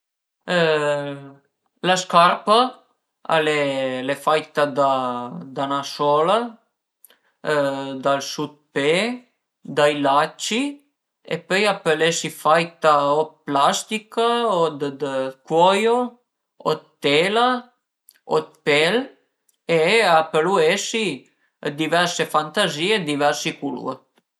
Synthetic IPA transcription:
laskarpa | a̰lelefajt̪ad̪ad̪anasɔla | d̪alsud̪̚pe | d̪ajlat͡ʃːi | ḛpøjapelesifajt̪aoplast̪ikaod̪d̪kwɔjo | o̰t̪t̪ːela | o̰t̪̚pɛl | eapəluesi | d̪ivɛɾsefant̪aziːed̪ivɛɾsikulṵə̰

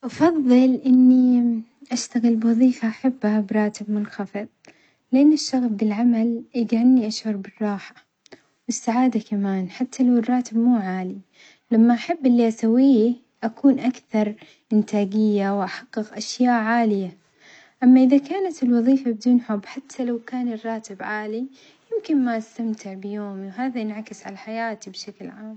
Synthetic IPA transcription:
ʔɑfɑðˤːɨlʔɪnːiʔaʃt̪aɣɪlbwɑðˤiːfaʔaħabːabɾˤɑːt̪ɪbmʊnxɑfɨðˤ | lʔɪnːɪʃːɑɣfbɪlʕamalʔɪɡaʕɪnːiʔaʃʕʊɾˤbɪrˤːɑːħḁ | wɪsːaʕaːd̪akamaːnħat̪ʰːalawɪrˤːɑːt̪ɪbmuːʕaːli | lamːaʔaħabːʔɪlːiʔasawiː | ʔakuːnʔakθɑɾˤ | ʔɪnt̪ʰaːɡɪjːawʔaħɑqːɨɣʔaʃjaːʔʕaːlɪja | ʔamːaʔɪðakaːnat̪ɪlwɑðˤiːfabɪd̪uːnħʊbːħat̪ʰːalawkaːnɪrˤːɑːt̪ɪbʕaːli | jɪmkɪnmaʔast̪amt̪ʰɪʕbɪjoːmiwɦaːðaʔɪnʕakɪsʕa̰laħajaːt̪ibʃaklʕaːm

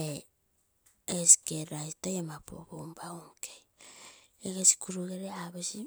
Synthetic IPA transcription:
e | esi̥keɾajstajemapo̰bombaumkej | eɡesi̥kuɾuɡeɾeaβesi

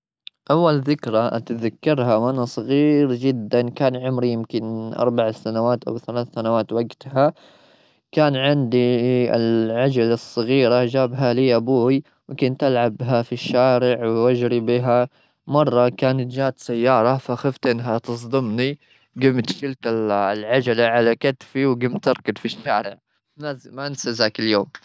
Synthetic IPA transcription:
ʔawːalðɪkɾaʔa̰t̪ðakːɑɾˤhawʔanasˤɑɣiːɾd͡ʒɪd̪ːankaːnʕʊmɾijɪmkɪnʔɑ̰ɾˤbaʕasanawaːt̪ʔa̰wθalaːθsanawaːt̪waɡt̪ha | kaːnʕɪnd̪iɪ̰lʕad͡ʒalɨsˤːɑɣiːɾad͡ʒaːbɦaliːʔabuːj | wkʊnt̪ʔalʕabɦafiʃːaːɾɪʕwwad͡ʒɾibiɦa | mɑrˤːɑkaːnat̪d͡ʒaːt̪sajːɑːɾˤɑfaxaft̪ʔɪnːɦat̪ɨs̬ˤd̪ˤɨmni | ɡɪmt̪ʃɪlt̪ɪlʕad͡ʒalaʕalakat̪fiwɡɪmt̪ːɪɾˤkɪd̪fiʃːaːɾɪʕ | mansazakɪljoːm

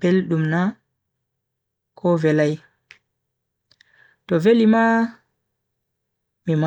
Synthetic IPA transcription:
pɛlɗumna | kʰɔvɛlaj | tɔvelima | mima

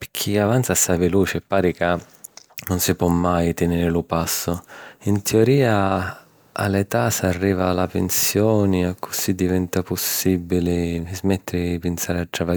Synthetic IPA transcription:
pɪkʰːiavant̪sasaveluːt͡ʃɛpːaːɾika | nʊnsɪpwɔmːajt̪ɪneɾɪlʊpasːʊint̪ʰɪɔɾiːa | a̰let̪asarːiːvaːlapensjɔːnɪakʰːʊsid̪ivɛnt̪apʊsːibːilɪzmɛt̪ːɪɾɪpɪnsaːɾɪat̪ːɾava

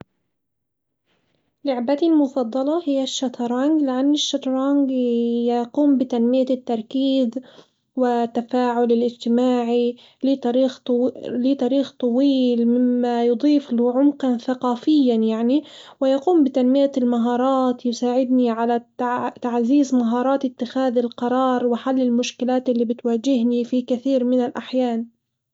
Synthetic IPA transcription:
lʊʕbat̪ilmʊfɑd̪ˤːɑlɑhɪjːaʃːat̪ɾˤaŋɡlɪʔanːɪʃːɑt̪ɾˤɑŋɡjaquːmbɪt̪anmɪjat̪ːɑɾˤkiːð | wɪt̪ːafaːʕʊlɪlʔɪd͡ʒt̪ɪmaːʕi | lɪt̪ɑɾiːxlɪt̪ˤɑɾiːxt̪ˤɑwiːlmɪmːajʊd̪ˤiːflʊʕʊmqanθaqɑːfɪjːanjaʕniwɪjɑquːmbɪt̪anmɪjalmaɦɑːɾˤɑːt̪jʊsaːʕɪd̪niʕalaat̪aʕziːzmaɦɑːɾˤɑːt̪ɪt̪ːɪxaːðɪlqɑɾˤɑːɾˤwɪħalːɪlmʊʃkɪlaːt̪ʔɪlːiːbɪt̪waːd͡ʒɪɦnifikɪθiːɾmɪnalʔaħjaːn

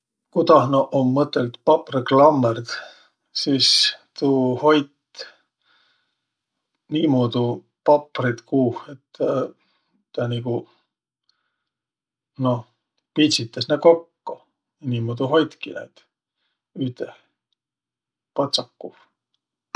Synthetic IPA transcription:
kut̪ɑhnoʔomːɤt̪ːˑelt̪pɑpriklɑmːerd̪̥ | siːst̪uːho̞jt̪ | niːmod̪̥u | pɑpːrit̪kuːhet̪ːɑː | ɑniku | no | pisit̪ˑːɑsneko̞kːo | niːmoːd̪̥uɦo̞jt̪kiɑ̰jt̪ | yht̪e | pɑt̪sɑkːuf

